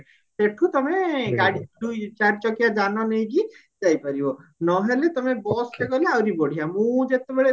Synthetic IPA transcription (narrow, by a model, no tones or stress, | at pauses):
seʈʰut̪ɔmeɡaɽiɖ̪ujt͡ʃaɾt͡ʃɔkijad͡ʒanɔnejɡi | d͡ʒajpaɾibɔnɔɦelet̪ɔmebɔskeɡɔleawɾibɔɽ̤ijamũd͡ʒet̪ebeɭe